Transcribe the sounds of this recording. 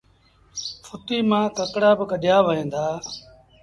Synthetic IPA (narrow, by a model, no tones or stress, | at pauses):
fʰʊt̪iːmãːkəkɽaːbɪkəɗjaːʋəɦẽːnd̪aː